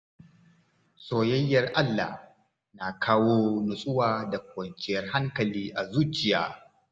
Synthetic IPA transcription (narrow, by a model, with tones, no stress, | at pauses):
soː˨jɐ˦jːɐ˨rʔa˦lːa̰˨h | na˨kʰaː˦woː˦nʊ˨sʼʊ˦waː˨da˨kʷɐ˨nt͡ʃɪ˦jɐ˦rɦa˦ŋkɐ˨liː˦ʔa˨zuː˦t͡ʃɪ˨jaː˦